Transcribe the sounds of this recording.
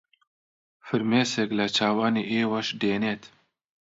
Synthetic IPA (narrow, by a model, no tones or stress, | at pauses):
fɨɾmeːseklɐt͡ʃʰaːwaːniʔeːwɐʃdeːnet̪ʰ